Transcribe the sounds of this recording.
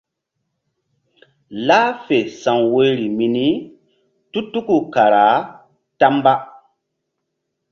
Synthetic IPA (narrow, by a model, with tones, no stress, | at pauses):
la˦fe˨sa˨ŋwo˦ɾi˨mi˨ni˦ | tu˦tu˦ku˨ka˨ɾa˨˦ | ta˦mba˦